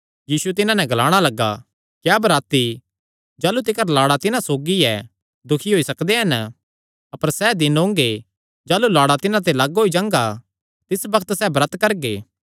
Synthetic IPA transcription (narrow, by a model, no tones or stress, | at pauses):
jiːsuɛt̪ɪnãnɛ̃ɡɐlaːɽ̃alɐɡːa̰ | kjaːbɐɾaːt̪i | d͡ʒaːlut̪̬ɪkəɾlaːɽat̪ɪnãsoːɡiɛ | d̪ʊkʰiɦoːisɐkd̪eɦɐn | ɐpəɾsɛd̪ɪnɦõːŋɡe | d͡ʒaːlulaːɽat̪ɪnãt̪̬elaːɡɦoːid͡ʒãːŋɡa | t̪ɪsbɐkʰət̪sɛbɾət̪kɐɾɡeː